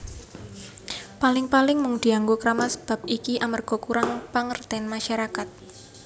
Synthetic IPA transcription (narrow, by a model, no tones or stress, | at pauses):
palɪŋpalɪŋmʊŋd̪̥i̤aŋɡokəɾamasə̥b̥a̤p̚ikiʔamərɡ̥ɔ̤kuɾaŋpəŋərt̪ɛnmaʃaɾakat̪̚